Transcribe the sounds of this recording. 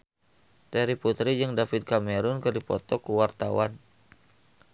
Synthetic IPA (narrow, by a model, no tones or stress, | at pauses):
t̪ɛɾiput̪ɾid͡ʒɨŋdafit̪̚kameɾʊnkɨrdipɔt̪ɔkuwart̪a̰wan